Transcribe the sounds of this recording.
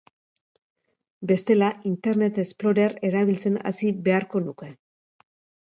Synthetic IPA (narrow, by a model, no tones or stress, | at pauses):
be̞st̪e̞laʔint̪e̞ɾne̞t̪e̞splo̞ɾere̞ɾaβ̞ilt͡se̞na̰sibe̞aɾko̞nuke̞